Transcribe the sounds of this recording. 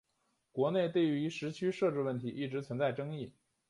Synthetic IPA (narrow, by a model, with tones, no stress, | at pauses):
kwɔ˧˥ne˥˧ɪt̪e˥˩ɪy˧˥ʂɻ̩˧˥t͡ɕʰy˥ʂɤ˥˧ʈ͡ʂɻ̩˥˧wə˥˩nt̪ʰi˧˥ʔi˥˩ʈ͡ʂɻ̩˧˥t͡sʰwə˧˥nt͡sa˥˩ɪʈ͡ʂɤ˥ŋi˥˩